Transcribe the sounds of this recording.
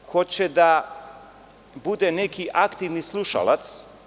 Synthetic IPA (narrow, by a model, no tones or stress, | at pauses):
xɔt͡ɕɛd̪a | bud̪ɛnɛkiʔakt̪ivnislˠuʃa̰lˠa̰t̪s